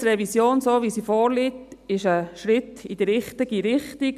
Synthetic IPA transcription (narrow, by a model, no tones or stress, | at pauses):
ɾɛvisjoːnsoːʋisifɔːɾlitɪʃəʃɾɪtid̥əɾɪχt̪iɡiɾɪχtik